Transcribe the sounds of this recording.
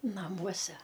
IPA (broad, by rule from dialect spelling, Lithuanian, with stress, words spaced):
nɐˈmuɔsʲɛ